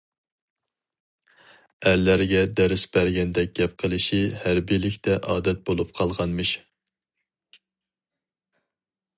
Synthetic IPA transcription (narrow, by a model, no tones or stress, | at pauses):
æɾlæɾɡʲɛd̪ɛɾɪsbæɾɡʲɛnd̪ɛk̚ʲɡʲɛp̚qʰəlˠɨʃihæɾbilɪkʲt̪ʰɛʔɑːd̪ɛt̪̚bolˠup̚qʰɑlˠʁɑnmɨʃ